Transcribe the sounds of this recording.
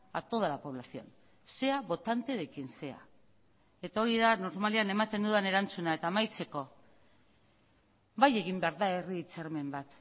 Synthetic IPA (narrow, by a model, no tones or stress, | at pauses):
a̰t̪o̞ðalapo̞βlasio̞̰n | se̞aβo̞t̪ant̪e̞ɾekinse̞a̰ | e̞t̪ao̞ɾiðano̞ɾmaliane̞mat̪e̞nd̪uðene̞ɾant͡sunaet̪aːmajt͡se̞ko̞ | baje̞ɣimbe̞aɾðae̞riːt͡seɾme̞mbat̪